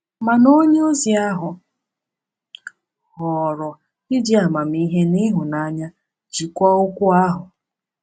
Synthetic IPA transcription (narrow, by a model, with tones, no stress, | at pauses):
ma˨no˦ɲe˦o˦zi˨a˦ɦʊ˨ | hɔ˨ɾɔ˨ | ɪ˦di˦a˨ma˨m̩˦i˦ɦe˦ni˦ɦʊ˨na˨˦ɲa˦ | d͡ʒi˨kʷɔ˦ʊ˦kʷʊ˦a˦ɦʊ˨